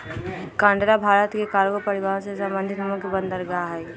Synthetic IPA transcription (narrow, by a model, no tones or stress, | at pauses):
kãːɳɖɾabʱaːɾət̪kekaːɾɡopɐɾɪʋaːɾõsesə̃mbənd̪ʱɪt̪mũkebə̃nd̪əɾɡaaɦɛ